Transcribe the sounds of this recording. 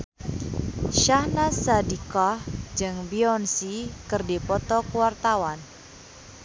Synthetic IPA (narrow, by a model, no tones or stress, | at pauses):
ʃahnasadikɔhd͡ʒɨŋbiɔnsikɨrdipɔt̪ɔkuwart̪awan